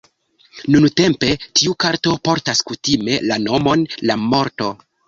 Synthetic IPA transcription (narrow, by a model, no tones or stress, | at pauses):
nunte̞mpe̞tiukaɾto̞po̞ɾtaskutime̞̰lano̞mo̞nlamo̞ɾto̞